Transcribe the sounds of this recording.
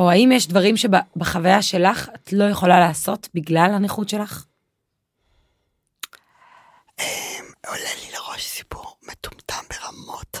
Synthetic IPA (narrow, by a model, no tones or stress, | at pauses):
ohaimjeʃdvaʁimʃe̞babaχavajaʃe̞laχatlo̞jeχo̞lalaːso̞tbiɡlalhaniχutʃe̞laχ | emolelileʁo̞ʃsi̥puʁmet̪u̥mtʰambeʁamo̞t